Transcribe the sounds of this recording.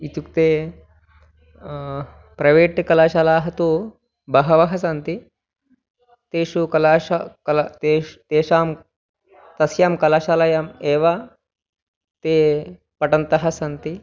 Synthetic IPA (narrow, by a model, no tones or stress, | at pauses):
it̪ukt̪eː | pɾɐʋeːʈkɐlaːʃalaːɦɐt̪u | bɐɦɐʋɐɦɐsɐnt̪i | t̪eːʂukɐlaːʂɐkɐlt̪et̪eːʂaːm | t̪ɐsjaːmkɐlaːʃaːlɐjameːʋɐ | t̪eː | pɐʈɐnt̪ɐɦɐsɐnt̪i